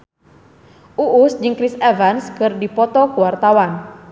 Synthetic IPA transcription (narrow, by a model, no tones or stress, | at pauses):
ʔuʔusd͡ʒɨŋkɾisɛvanskɨrdipɔt̪ɔkuwart̪awan